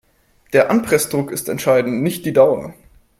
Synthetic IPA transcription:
d̥eːɐʔanpʁ̥ɛsd̥ʁʊkɪstɛ̰ntʃaɪdn̩tnɪçt̚d̥iːdaʊɐ̰

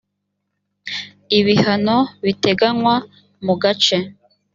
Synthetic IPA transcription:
iβihanoβite̞ɡanwa | muɡat͡ʃe

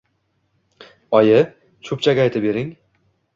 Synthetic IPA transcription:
ɒjɪ | t͡ʃʰʊp̚t͡ʃʰaɡʲajt̪ʰɪbe̞ɾɪŋ

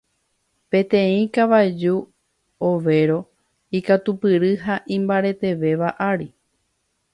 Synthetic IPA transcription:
pẽ̞t̪ẽĩkaʋajd͡ʒu | oʋe̞ɾo̞ | ikat̪upɨɾɨɦaʔĩmbaɾe̞t̪e̞ʋe̞ʋaʔaɾi

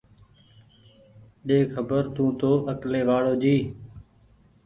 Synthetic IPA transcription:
ɗeːkʰəbəɾt̪ũːt̪oːʔəkleːʋaːɽoːd͡ʒiː

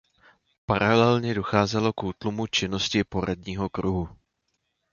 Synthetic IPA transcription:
paɾalɛlɲɛdo̞xaːzɛlo̞kuːt̪lumut͡ʃɪno̞scɪpo̞ɾadɲiːɦo̞kɾuɦu

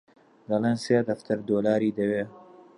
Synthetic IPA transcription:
d̪ɐleːnsijad̪ɐft̪ʰɐɾd̪oːlaːɾiːd̪ɐweː

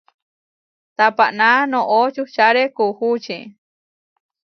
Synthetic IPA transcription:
t̪apaʔnanõʔot͡ʃut͡ʃaɾekuhut͡ʃĩ

